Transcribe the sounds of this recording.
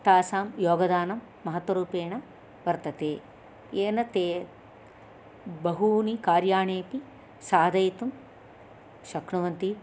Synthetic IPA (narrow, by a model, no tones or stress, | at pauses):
t̪aːsaːmjoːɡɐd̪aːnɐmːɐɦɐt̪ʋɐɾuːpeːɳɐ | ʋɐɾt̪ɐt̪eː | eːnɐt̪eː | bɐɦuːnikaːɾjaːɳeːpi | saːd̪ɐjt̪um | ʃɐkɳɐʋɐnt̪i